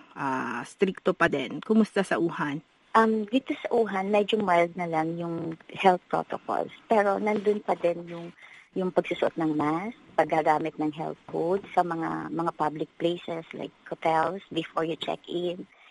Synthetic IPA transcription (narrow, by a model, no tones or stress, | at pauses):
ʔast̪ɾik̚t̪opɐd̪ɛnkʊmʊst̪asɐʔuːhan | ʔɐmɡɪt̪osɐʔuːɦɐnmɛd͡ʒomɛld̪̚nɐlaŋjʊŋhɛlt̪̚pɹo̰t̪oko̰lspɛːɾo̞nɐnd̪ʊnpɐd̪ɛnjʊŋjʊŋpɐɡ̚suːsʊʔot̪̚nɐŋmaspɐɡːaɡaːmɪt̪̚nɐŋɦɛ̰lt̪̚hud̪sɐmɐŋa̰mɐŋapablɪk̚plejsɛsla̰jkhot̪ɛlsbɛfoɹjʊt͡ʃɛ̰kɪn